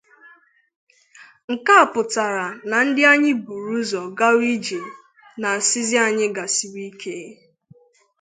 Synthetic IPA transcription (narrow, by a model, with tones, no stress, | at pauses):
ŋ̩˨ka˦a˨pʊ˨ta˨ɾa˨na˨n̩˦dɪ˦a˦ɲɪ˦bu˨ɾu˦zɔ˨ɡa˦wi˦d͡ʒe˨ | na˨si˦zɪ˦a˨ɲɪ˦ɡa˨si˨wi˦kʰe˦